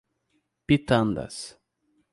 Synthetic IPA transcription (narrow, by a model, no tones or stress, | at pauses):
pit̪ãnd̪a̰s